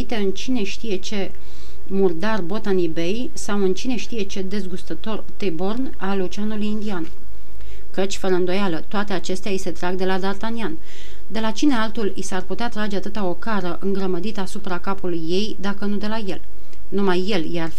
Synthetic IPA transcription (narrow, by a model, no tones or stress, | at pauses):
it̪e̞ɨnt͡ʃine̞ʃt̪ije̞t͡ʃe̞ | murd̪arbo̞t̪anibe̞j | sawɨnt͡ʃine̞ʃt̪ije̞t͡ʃe̞d̪e̞zɡust̪ət̪o̞rt̪ebo̞rn | alut͡ʃanulujind̪ian | kət͡ʃʲfəɾəɨnd̪o̞jalət̪oat̪e̞at͡ʃe̞st̪eaise̞t̪ɾaɡd̪e̞lad̪art̪anian | d̪e̞lat͡ʃine̞alt̪ulisarput̪eat̪ɾad͡ʒe̞at̪ɨt̪ao̞kaɾəʔɨŋɡɾəməd̪it̪əasupɾakapulujːe̞jd̪akənud̪e̞laje̞l | numajːe̞ljar